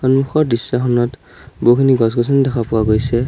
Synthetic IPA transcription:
xɔnmuxɔɹdisːaxɔnɔt | bukʰiniɡɔs̬ɡɔs̬ɔndɛkʰapʊwaɡojsɛ

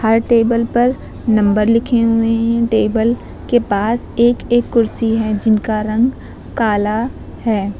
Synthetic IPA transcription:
hɐɾʈeːbəlpɐɾ | nɐ̃mbəɾlɪkʰeɦʊeɦɛ̃ʈeːbəl | kepaːs | eːkeːkːʊɾsiɦɛd͡ʒɪnkaɾɐ̃ŋɡ | kaːla | hɛː

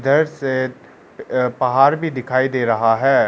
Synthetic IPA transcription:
d̪əɾse | pɐɦaːɾbʱid̪ɪkʰaːid̪eːɾɐɦaɦɛː

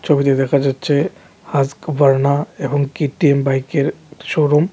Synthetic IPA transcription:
t͡ʃʰobʱit̪ed̪ekʰad͡ʒatːʃʰe | hazkʋəɾnaebɔŋkiʈiembaikeɾʃoɾom

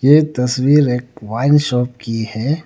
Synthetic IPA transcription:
jet̪ɐswiːɾeːkʋaːɪnʃɔːp̚kihɛː

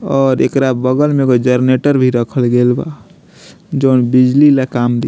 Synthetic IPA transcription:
ɔːɾḛkɾabəɡəlmeɡod͡ʒəɾneʈəɾbʱiɾəkʰəlɡeːlba̰ | d͡ʒoːnbid͡ʒlilakaːmd̪i

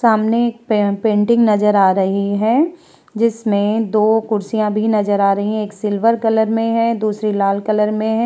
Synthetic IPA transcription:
saːmneːk̚ppẽːɳʈɪ̃ŋɡnɐzəɾaːɾɐɦiɦɛ̃ː | d͡ʒɪsmẽd̪oːkʊɾsijãbʱinɐzəɾaːɾɐɦĩɦɛ̃eːksɪlʋəɾkɐləɾmẽɦɛ̃d̪uːsɾilaːlkɐləɾmẽɦɛ̃

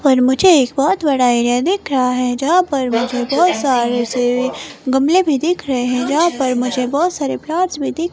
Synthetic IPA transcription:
pɐɾmʊd͡ʒʱeeːk̚bɔːt̪bɐɽaeːɾijad̪ɪkʰɾɐɦaɦɛd͡ʒɐɦãpɐɾmʊd͡ʒʱebɔːt̪saːɾeseɡɐmlebʱid̪ɪkʰɾɐɦeɦɛ̃d͡ʒɐɦãpɐɾmʊd͡ʒʱebɔːt̪saːɾeplaːʈsbʱid̪ɪkʰ

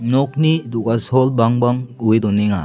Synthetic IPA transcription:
nɔk̚nid̪ukasɔlbaŋbaŋujd̪ɔniŋa̰

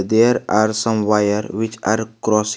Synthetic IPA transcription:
d̪eɾaɾsʌ̃mwajəɾwɪt͡ʃaɾkɾɔs

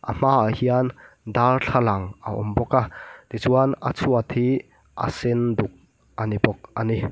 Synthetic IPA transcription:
ʔam̥aːahian | d̪arɬʰalɐŋa̰ʔɔ̰mbɔkat̪it͡suanɐ̰t͡sʰuat̪hi | ʔa̰sɪnd̪uk̚ | ʔanibɔk̚ʔani

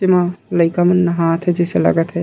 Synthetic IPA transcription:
imãləɪkamenəɦãt̪ʰɦɛd͡ʒeselə̰ɡət̪ɦɛ

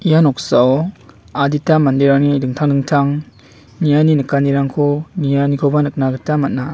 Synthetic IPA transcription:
ijanɔk̚saw | aditamandiɾaŋnidɯŋtʰaŋdɯŋtʰaŋ | nijaninɯkaniɾaŋkʰɔnijanikʰɔbanɯk̚naɡɯtamat̚na

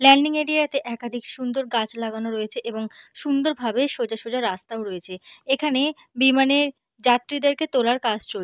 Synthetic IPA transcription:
lɛɳɖiŋeɖiat̪eʔɛkad̪ʱikʃund̪oɾɡat͡ɕlaɡanoɾoet͡ɕʰeʔeboŋʃund̪oɾbʱabeʃod͡ʑaʃod͡ʑaɾːast̪aoɾoet͡ɕʰeekʰane | bimaneɾ | d͡ʑat̪ːɾid̪eɾket̪olaɾkad͡ʑt͡ɕol

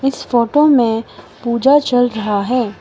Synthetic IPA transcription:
ɪsfoːʈomẽ | puːd͡ʒat͡ʃɐlɾɐɦaɦɛː

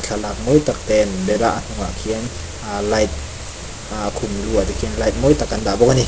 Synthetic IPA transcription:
t͡ɬʰalak̚mɔjt̪ak̚t̪ɛnbɛlaʔan̥uŋakʰiən | alajt̪̚ | aʔkʰumluət̪ikʰinlajt̪̚mɔjt̪akːand̪aʔbɔk̚ani

